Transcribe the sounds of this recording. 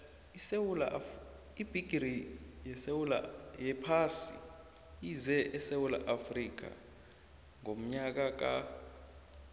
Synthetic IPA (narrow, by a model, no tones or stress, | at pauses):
sewl | ib̥ʱiɡ̥ʱrijɛsewula̰jɛpʰasḭ | izɛʔɛsewula̰ʔafrik̬a̰ | ŋom̩ɲak̬ak̬ʼa̰